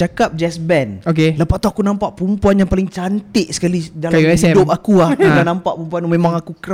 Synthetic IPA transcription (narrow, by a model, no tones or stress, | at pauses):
akap̚d͡ʒɛsbɛnokeləpaʔt̪uakunampaʔpumpuanjaŋpalɪŋt͡ʃant̪ɪʔsə̥kalidalamɛsɛidʊp̚akuahudanampaʔpumpuanumemãŋakukəɾ